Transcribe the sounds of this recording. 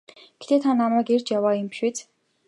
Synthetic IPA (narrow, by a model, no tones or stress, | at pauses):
ɡ̥e̥t̪ʰeːt̪ʰanːamaːɡert͡ɕjawaːjəmpi̥ʃet͡s